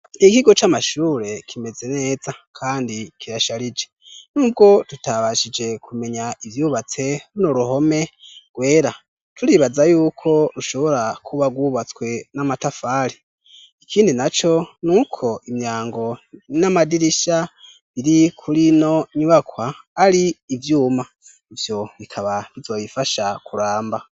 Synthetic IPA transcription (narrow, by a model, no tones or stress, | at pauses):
nikiɡo̞t͡ʃamaʃuːɾe̞kʰime̞ze̞ne̞ːzakʰaːndikʰiɾaʃaɾid͡ʒe̞ | nuːb̚ɡo̞tutaβaʃid͡ʒe̞kʰume̞ɲaivjuβat͡se̞ɾunoɾuho̞me̞ɡ̥we̞ːɾa | tʰuɾiβazajuːkʰo̞ɾuʃo̞βo̞ɾakʰuβaɡwuβat͡skwe̞namatafaɾi | ikʰiːndinat͡ʃo̞nuːkʰo̞imɲaːŋɡo̞namadiɾiʃa | iɾikʰuɾinoɲuβakwaːɾiːvjuːma | ivjo̞βikʰaβaβizo̞βifaʃakuɾaːmba